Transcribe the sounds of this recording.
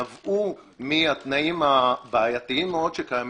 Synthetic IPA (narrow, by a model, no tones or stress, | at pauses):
avʔu | miat̪naʔimabaːjat̪iimːeo̞d̥̪ʃekajam